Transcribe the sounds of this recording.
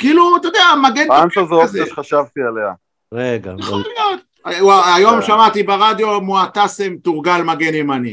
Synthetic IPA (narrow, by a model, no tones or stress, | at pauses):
kiiːlut̪od̪eamaɡenanʃazooaʃχaʃavt̪ialea̰ | ʁeɡa̰jχolijot̪̚ | waajo̞mʃamat̪ibeʁad̪jo̞muat̪asemt̪uʁɡalmaɡenimani